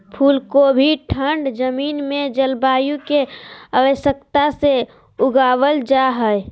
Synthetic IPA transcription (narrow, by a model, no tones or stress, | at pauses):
pʰuːlkobʱiʈʰəɳɖd͡ʒəmiːnmed͡ʒəlbaːjũkeəʋəʃəkt̪ase | ʊɡawəld͡ʒaɦəe